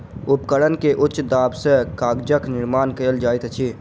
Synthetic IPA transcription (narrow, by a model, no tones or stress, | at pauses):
ʊpkəɽənkeʔʊtːʃd̪aːbsekaːɡd͡ʒəknɪɾmaːnkəəld͡ʒaːɪt̪ət͡ʃʰiː